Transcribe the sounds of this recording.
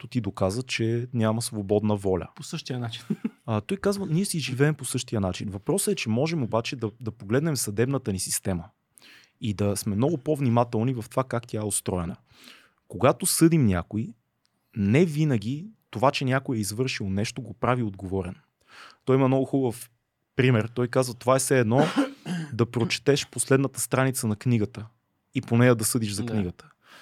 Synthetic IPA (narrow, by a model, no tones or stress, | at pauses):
t̪ot̪id̪okazvət͡ʃɛnʲjaməsvobɔd̪nəvɔlʲə̰posɤʃt̪iənat͡ʃint̪ɔjkazvəniɛsiʒivɛːmposɤʃt̪iənat͡ʃinvɐpɾɔsəɛt͡ʃɛmɔʒɛmobat͡ʃɛd̪ɐd̪ɐpoɡlɛd̪nɛmsɐd̪ɛbnət̪ənisist̪ɛmə | id̪ɐsmɛmnɔɡʊpovnimat̪ɛlˠnivɐft̪vakakt̪ʲaɛot̪st̪ɾɔjɛnə | koɡat̪osɤd̪imnʲa̰koi | nɛvinəɡ̟ʲit̪ovat͡ʃɛnʲjakojɛizvɤɾʃilˠnɛʃt̪oɡopɾaviod̪ɡovɔɾɛn | t̪ɔjimɐmnɔɡʊxubəf | pɾimɛɾt̪ɔjkazvət̪ovaɛsɛɛd̪nɔ | d̪ɐpɾot͡ʃɛ̥t̪ɛʃposlɛd̪nət̪ə̥st̪ɾanit̪sənɐkniɡət̪ə | iponɛjɐd̪ɐsɤd̪iʒzɐkniɡət̪ə̥